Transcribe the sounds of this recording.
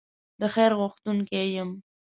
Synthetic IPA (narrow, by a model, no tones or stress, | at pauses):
d̪əxeɾɣʊxt̪uŋkejəm